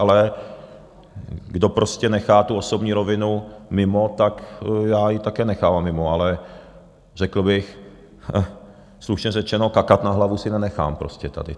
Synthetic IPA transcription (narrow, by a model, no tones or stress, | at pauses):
alɛ | ɡdo̞pɾoscɛnɛxaːt̪uosobɲiːɾovɪnumɪmot̪akjaːjɪt̪akɛːnɛxaːvamːɪmoalɛ | r̥ɛkl̩bɪx | sluʃɲɛrɛt͡ʃɛno̞kakat̪naɦlavusɪnɛnɛxa̰ːmpɾoscɛt̪a̰dɪ̰